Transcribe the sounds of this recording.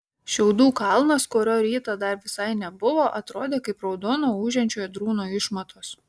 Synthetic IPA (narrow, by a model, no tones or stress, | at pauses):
ʃʲɛʊd̪uːkɐlˠnɐskoːɾʲoːɾʲiːt̪ɐd̪ɐɾʋʲɪsɐɪnʲɛbʊʋoːʔɐt̪ɾoːd̪ʲeːkɐɪpɾɐʊd̪oːnoːuːʒʲɛnʲt͡ʃʲoːjɛd̪ɾuːnoːɪʃmɐt̪ʰoːs